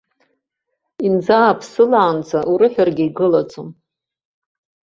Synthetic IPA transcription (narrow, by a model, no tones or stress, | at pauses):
ind͡zaːpʰsɨlaːnt͡sʰʼaʔuɾɨħʷᶣarɡʲɪiɡɨlat͡sʼom